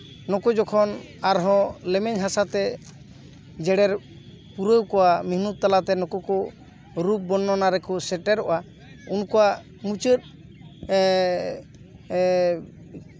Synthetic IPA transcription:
nɔkɔd͡ʒɔkʰɔn | aɾɦɔ̃lɛmɛɲɦasat̪ɛ | d͡ʒɛɽɛɾ | puɾəwkɔwamiɦnut̪̚t̪ːalat̪ɛnɔkɔkɔ | ɾup̚bɔnːɔnaɾɛkɔsɛʈɛɾɔ̰ʔa | unkɔwa | mut͡ʃət̪̚

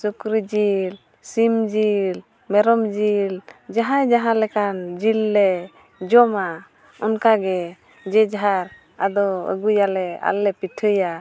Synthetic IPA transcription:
sukɾid͡ʒil | simd͡ʒil | mɛɾɔmd͡ʒild͡ʒaɦajd͡ʒaɦãlɛkand͡ʒilːɛ | d͡ʒɔma | ɔnkaɡɛ | d͡ʒɛd͡ʒaɦaɾ | a̰d̪ɔə̰ɡujalɛa̰lːɛpiʈʰəja

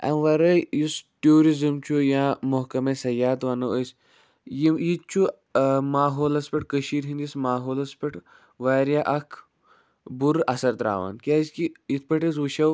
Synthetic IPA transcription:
ɐ̰nʋɐɾɐjisʈuːɾizimt͡ʃʰujãːmoɦkɐmesɐjaːt̪ʋɐnɐosʲ | jijit͡ʃʰu | maːɦoːlɐspʲɐʈkəʃiːɾɦĩnd̪ismaːɦoːlɐspiʈ | ʋaːɾjaʔɐkʰ | buɾʔɐsɐɾt̪ɾa̰ːʋa̰nkʲaːskiit̪̚ʰpɐʈɐs̬ʋuʃɐw

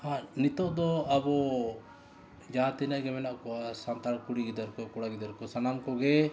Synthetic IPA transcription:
hãnit̪ɔʔd̪ɔɐbɔ | d͡ʒaːt̪inaʔɡɛmɛnaʔkɔasant̪akuɽiɡid̪aɾkɔkuɽaɡid̪aɾkɔsɐnamkɔɡe

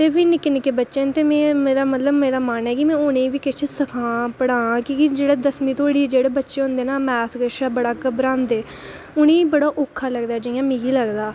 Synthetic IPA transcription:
t̪eːʋiːnɪkːɪnɪkeːbətːʃeːnt̪eːmɛ̃ːmeːɾaːmət̪ləbmeːɾaːmaːnɛːkɪmɛ̃ːʊnẽːʋiːkɪt͡ʃʰesəkʰãːpəɽãːkikɪd͡ʒeːɽeːd̪əsmĩːt̪ʰoːɽiːd͡ʒeːɽeːbətːʃeːɦʊ̃ːnd̪eːnaːmɛːsɡəʃaːbəɽaːkəbɾãːnd̪eː | ʊnẽːbəɽaːʔoːkʰːaːləɡd̪aːd͡ʒɪjãːmiːɡiːləɡd̪aː

